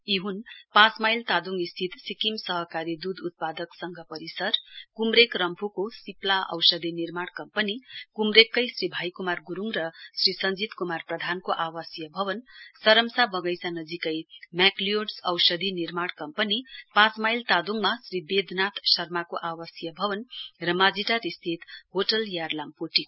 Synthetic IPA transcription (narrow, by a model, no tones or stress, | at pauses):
iɦunpãt͡smajlt̪ad̪uŋist̪ʰit̪sikimsʌɦʌkaɾid̪ud̪ut̪̚pad̪ʌksʌŋɡʱʌpʌɾisʌrkumrekrʌmpʰukosiplaʔʌ̰wsʌd̪ʱinirmaɽkʌmpʌnikumrekːʌjsribʱajkumarɡuɾuŋrʌsrisʌnd͡zit̪kumarprʌd̪ʱankoʔawʌsjʌbʱʌbʌnsʌɾʌmsabʌɡʌjsanʌd͡zikʌjmaklioɖsʌwsʌd̪ʱinirmaɽkʌmpʌnipãt͡smajlt̪ad̪uŋɡmasribed̪ʱnat̪sʌrmakoʔawʌsjʌbʱʌbʌnrʌmad͡ziʈaɾist̪ʰit̪ɦoʈʌljarlampoʈik